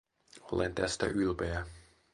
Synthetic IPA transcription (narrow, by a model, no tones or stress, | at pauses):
olent̪æst̪æ̰ʔylpejæ